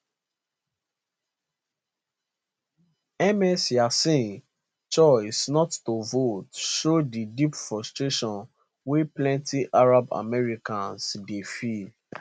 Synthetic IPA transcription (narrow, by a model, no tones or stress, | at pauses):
ɛmɛsjasĩn | t͡ʃɔɪsnɔtːovotʃodidipfɹɔstɹeʃɔ̃n | weplɛ̃ntiʔaɹaba̰mɛɹikãnsdefi